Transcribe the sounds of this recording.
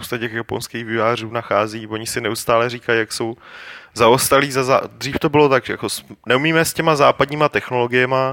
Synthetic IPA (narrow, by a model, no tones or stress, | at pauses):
post̪acɛkjapo̞̰nskiːɣvɪvaːr̝uːnaxaːziːvoɲɪsɪnɛust̪aːlɛriːkajjakso̞wzaost̪aliːzaza̰d̪r̝iːft̪o̞bɪlo̞t̪aɡʒɛja̰ko̞snɛumiːmɛscɛmazaːpadɲiːmat̪ɛxno̞lo̞ɡɪjɛma